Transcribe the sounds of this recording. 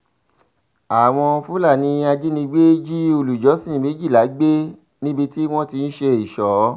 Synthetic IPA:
a˨w̃ɔ̃˧fu˦la˦˨nĩ˧˦a˧d͡ʒi˦nĩ˧ɡ͡be˦d͡ʒi˦o˧lu˨d͡ʒɔ˨˦sĩ˦˨me˨˦d͡ʒi˦˨la˨˦ɡ͡be˦ | nĩ˦bi˧ti˦w̃ɔ̃˦ti˧n̩˦ʃe˧i˨ʃɔ˨˦

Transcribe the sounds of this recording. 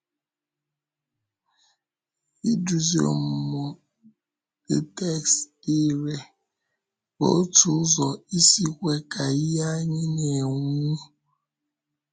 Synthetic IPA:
i˦du˨zi˨˦o̰˨m̩˨mɔ˨ | də˨tɛ˦ks | i˦ɾe˦ | bɔ̰˨˦o˦tu˦zɔ˨i˦si˦kʷe˦ka˨i˦ja˦ɲi˦ne˨ŋu˦

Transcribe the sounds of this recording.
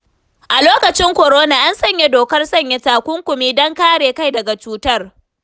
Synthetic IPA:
ʔa˨loː˦kɐ˨t͡ʃɪ˦ŋkʷɔ˨ɾoː˦na˨ʔa˦nsɐ˦˨ɲje˦doː˨kɐ˦rsɐ˦˨ɲje˦taː˨kʷʊ˦ŋkʷʊ˨miː˦dɔ˦ŋkaː˦ɽeː˨ka˦jdɐ˨ɡa˨t͡ʃuː˦tɐ˦r

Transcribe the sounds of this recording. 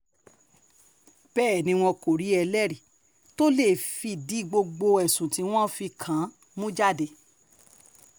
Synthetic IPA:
b̥ɛː˦˨nĩ˧w̃ɔ̃˧ko˨ɾi˨˦ɛ˧lɛ˦ɾi˨ | to˦le˦˨fi˧˨di˨˦ɡ͡bo˧ɡ͡bo˧ɛ˨sũ˨ti˧˦w̃ɔ̃˦fi˧kʰã˨˦ | mũ˦d͡ʒa˦˨de˧˨

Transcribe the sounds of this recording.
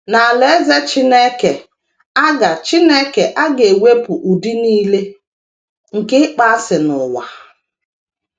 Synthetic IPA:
na˨a˨le˨˦ze˦t͡ʃi˦ne˦ke˨ | a˦ɡa˨t͡ʃi˦ne˦ke˨ʔa˦ɡe˨we˦pʊ˨ʔu˨di˦niː˦le˦ | ŋ̩˨kɪ˦k͡pa˦sɪ˨nʊ˨wa̰˨

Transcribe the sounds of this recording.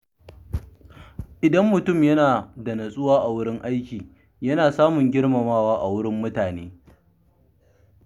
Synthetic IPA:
ʔɪ˨dɐ˦mːʊ˨tʊ˦˨mjɐ˦naː˨dɐ˨nɐ˨sʼʊ˦waː˦ʔa˨wʊ˦ɽɪ˦ŋʔa˦jkʲiː˨ | jɐ˦naː˨saː˦mʊ˨ŋɡʲɪ˦ɽmɐ˨maː˦waː˦ʔa˨wʊ˦ɽɪ˦mːʊ˦taː˨neː˦

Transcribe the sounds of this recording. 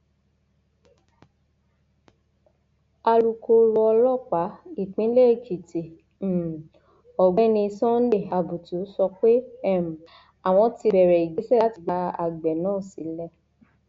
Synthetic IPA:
a˧ɾu˨˧ko˧ɾu˧ɔ˧lɔ˦˨k͡pa˨˦i˦˨k͡pĩ˨˦le˦˨kʰi˨te˨ | ɔ˨ɡ͡bɛ̃˦nĩ˧sɔ̃˦n̩˦le˦˨a˨bu˨tu˨˦sɔ˧k͡pe˦ɛ˦˨m̩˨ | a˨w̃ɔ̃˧ti˧bɛ˨ɾɛ˨i˨d͡ʒe˨˦sɛ˦la˦ti˧ɡ͡ba˧a̰˨ɡ͡bɛ˨nãː˦˨si˨˦lɛ˧

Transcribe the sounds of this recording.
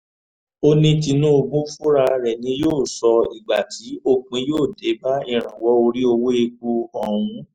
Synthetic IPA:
o˦nĩ˦ti˧nũ˦o˧bũ˦fu˦ɾa˧ɾɛ˨nĩ˨˦joː˦˨sɔ˧i˨ɡ͡ba˨ti˨˦o˦˧k͡pĩ˨˧˦joː˦˨de˨˦ba˦i˦˨ɾ̃ã˨wɔ˨˦o˧ɾi˦o˧wo˦e˧k̚u˧ɔ˨wũ˨˧˦

